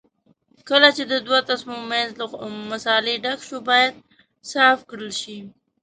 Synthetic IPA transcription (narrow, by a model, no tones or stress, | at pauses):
kəlat͡ʃed̪əd̪wat̪asmimanzləmasɑleɖakʃubɑjad̪̚ | sɑfkɽəlʃi